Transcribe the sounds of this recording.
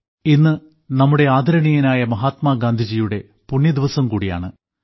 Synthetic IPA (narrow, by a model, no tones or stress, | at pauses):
inːɨ | nɐmːuɽe̞aːd̪ʱɐɾɐɳijɐnaːjɐmɐɦaːt̪maːɡaːnd̪ʱid͡ʑijuɽe̞ | puɳːjɐd̪iʋɐsɐmkuːɽija̰ːɳɨ